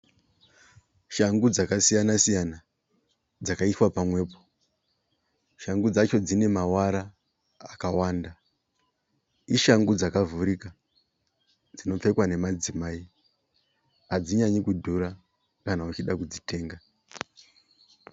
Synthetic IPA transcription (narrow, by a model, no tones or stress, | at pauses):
ʃaŋɡud͡zakasijanasijana | d͡zakaiswapamwe̞ːpo̞̥ | ʃaŋɡud͡zat͡ʃo̞d͡zine̞mawaɾaː | kawaːnda | iʃaŋɡud͡zakavuɾika | d͡zino̞p͡fe̞kwane̞mad͡zimaːi | ad͡ziɲaɲikudʱuɾa | kanaut͡ʃiɗakud͡zite̞ːŋɡa